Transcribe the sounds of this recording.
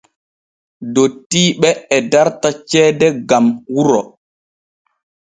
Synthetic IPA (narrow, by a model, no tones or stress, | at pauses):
dotːiːɓɛːdaɾtat͡ʃɛːdɛɡamwuɾɔ